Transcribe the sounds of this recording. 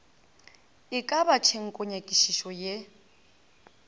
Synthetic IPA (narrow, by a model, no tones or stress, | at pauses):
ɪkʼabat͡ʃʰeŋ̩kʼʊɲakʼiʃiʃɔje